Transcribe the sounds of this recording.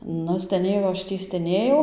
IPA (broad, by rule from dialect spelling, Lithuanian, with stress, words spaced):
ˈnʊ sʲtʲɛˈnʲeːjɛʊ ɐʃ ˈtʲiː sʲtʲɛˈnʲeːjɛʊ